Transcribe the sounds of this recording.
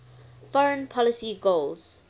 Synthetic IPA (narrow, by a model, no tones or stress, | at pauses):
fɔɹə̃npʰɔlɪsiɡolz̥